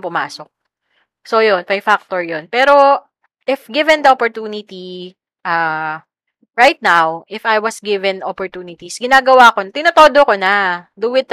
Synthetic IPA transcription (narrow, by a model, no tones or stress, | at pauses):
mpʊma̰ːsok̚ | sojonpɐjfak̚t̪oɹjonpɛːɾo̞ | ʔɪfɡɪvɛ̃nd̪ɐopoɹt̪uːnɪt̪i | ʔa | ɹajt̪̚nawʔɪfajwɐsɡɪvɛnopɔɹt̪uːnɪt̪isɡɪnaːɡɐwaːkont̪ɪnɐt̪oːd̪okonɐd̪uwɪd̪̚